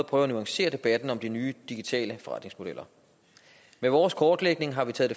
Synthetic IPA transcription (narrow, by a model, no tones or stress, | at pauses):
pʰʁœːʊɐænuɑ̈ŋɕe̝̰ːɐd̥e̝b̥æd̥n̩ɒ̽md̥inyːd̥iɡ̥it͡sʰɛ̰ːləfɒʁɑ̈d̥ne̝ŋsmo̝d̥el̰ʔɐ | meʋɒːskʰɒːd̥leɡ̥ne̝ŋɦɑ̈ʋit͡sʰɛ̰ːðˠd̥e̝